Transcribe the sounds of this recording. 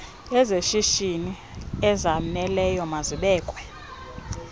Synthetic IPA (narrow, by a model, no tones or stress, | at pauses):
ɛzeʃiʃini | ɛzamɛlɛjɔmaziɓɛːkʼwɛ